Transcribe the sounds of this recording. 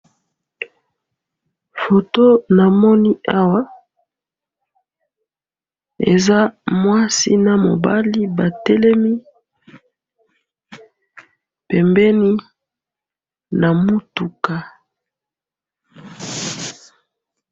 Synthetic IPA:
fo˨to˦na˨mɔ˦ni˦ʔa˦wa˦ | ḛ˨za˦mwa˦si˦na˨mo̰˨ba˦li˦ba˨tɛ˦lɛ˦mi˦ | pɛ˨mbɛ˦ni˦ | na˨mu˦tu˨ka˨

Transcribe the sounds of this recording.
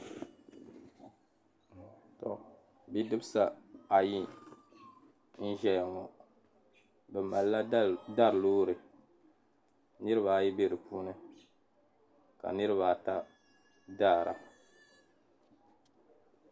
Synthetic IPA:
tɔ˨ | bi˦dɨ˦bɨ˦sa˨a˨ji˦ | n̩˦ʒɛ˨lŋo˨ | bɛ˨ma˨lla˦da˦ɾɨ˨loː˦ɾɨ˨ | nɨ˦ɾɨ˦βa˨ji˦be˦ɾɨ˨puː˦nɨ˦ | ka̰˨nɨ˦ɾɨ˦βa˨ta˦ | daː˦˨ɾa̰˨

